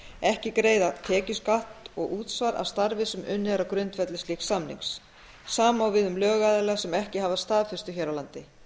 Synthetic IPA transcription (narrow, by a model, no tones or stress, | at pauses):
ɛhcɪkɾeːjðat̪ʰɛːcɪskaht̪ɔɣuːt̪svaɾa̰st̪aɾvɪsɛmʏnːɛɾakɾʏnt̪fɛt̪lɪst̪liːksamnḭŋks | saːmaawvɪðʏmlœːɣaːðɪlɛasɛmɛhcɪɦavast̪aːðfɪ̥st̪ʏçɛɾawlant̪ɪ